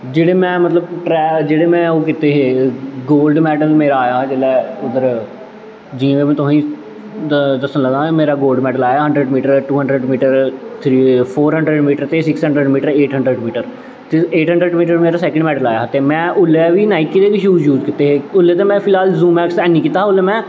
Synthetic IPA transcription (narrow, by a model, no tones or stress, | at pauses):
d͡ʒeːɽeːmɛ̃ːmət̪ləbʈɾɛːd͡ʒeːɽeːmɛ̃ːoːk̬ɪt̪eːɦeːɡoːlɖmɛːʈəlmeːɾaːjaːd͡ʒeːlɛːʊd̪əɾ | d͡ʒiãːʋeːmɛ̃ːt̪ʊɦĩː | d̪əsənləɡ̪ãːmeːɾaːɡoːlɖmɛːɖəlaːjaːɦə̃ɳɖɾəɖmiːʈəɾʈuːɦəɳɖɾəɖmiːʈəɾt̪ʰɾiːpʰoːɾɦə̃ɳɖɾəɖmiːʈəɾt̪eːsɪksɦə̃ɳɖɾəɖmiːʈəɾeːʈɦəɳɖɾəɖmiːʈəɾ | t̪eeːʈɦə̃ɳɖɾəɖmiːʈəɾmeːɾaːsɛːkə̃ɳɖmɛːɖəlaːjaːt̪eːmɛ̃ːʔʊlːɛːʋiːnaːɪkːid̪eːʋɪt͡ʃjuːd͡ʒjuːd͡ʒkɪt̪ːeːɦeːʊlːeːt̪eːmɛ̃ːpʰɪlaːlzũːmɛːksɛːnĩːkɪːt̪aːɦʊlːeːmɛ̃ː